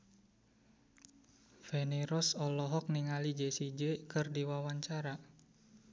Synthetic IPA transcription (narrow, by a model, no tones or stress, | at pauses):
feneɾɔsɔlɔɦɔk̚niŋalid͡ʒesid͡ʒekɨrdiwawaɲt͡ʃaɾa